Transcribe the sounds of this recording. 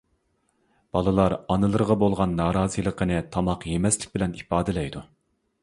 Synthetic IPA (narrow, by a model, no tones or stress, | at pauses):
b̥ɑlˠɨlˠɑɾɑnɨlˠɨɾʁɑbolˠʁɑnːɑːɾɑːzijlˠəqənɨt̪ʰɑmɑqjemɛslɪ̥kʲbɪlɛnipɑːd̪ɪlɛjd̪u